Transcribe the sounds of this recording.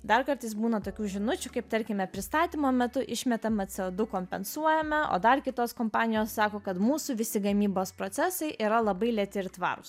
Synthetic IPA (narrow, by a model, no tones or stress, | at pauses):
d̪ɐrkɐɾt̪ɐɪsbuːnɐt̪oːkʲuːʒʲɪnʊt͡ʃʲʊkɐɪp̚t̪ɐɾʲkʲɪmʲɛpʲɾʲɪst̪ɑːt̪ʲiːmoːmʲɛt̪ʊʔɪʃʲmʲɛt̪ɐmɐt̪sʲɛoːd̪ʊkoːmʲpʲɛnsuɔjɛmʲɛo̰ːd̪ɐrkʲɪt̪oːskoːmpɑːnʲɪjoːssɑːkoːkɐt̪muːsuːʋʲɪsʲɪɡɐmʲiːboːspɾoːt̪sʲɛsɐɪʔiːɾɐlˠɐbɐɪlʲɛt̪ʲɪɾt̪ʋɑ̰ːɾʊs